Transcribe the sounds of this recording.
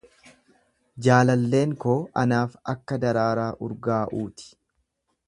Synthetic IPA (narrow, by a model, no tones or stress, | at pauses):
d͡ʒaːlɐlːe̞ːŋkoːʔɐnaːfɐkːɐd̪ɐɾaːɾaːʔʊɾɡaːʔuːt̪ɪ̥